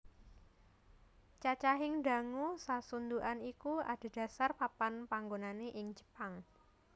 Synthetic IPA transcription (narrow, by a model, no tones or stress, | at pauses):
t͡ʃat͡ʃaɦɪŋda̤ŋusasund̪uʔanikua̰d̥a̤d̥ä̤sarpapanpaŋɡonaneʔɪŋd͡ʒə̥paŋ